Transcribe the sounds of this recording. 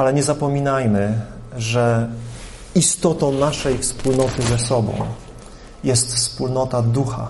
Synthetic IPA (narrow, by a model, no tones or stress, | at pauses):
alɛɲɛzapɔmʲinajmɘʐɛ | ist̪ɔt̪ɔ̃w̃naʂɛjfspulnɔt̪ɘzɛsɔbɔ̰̃w̃ | jɛst̪fspulnɔt̪ad̪uxa̰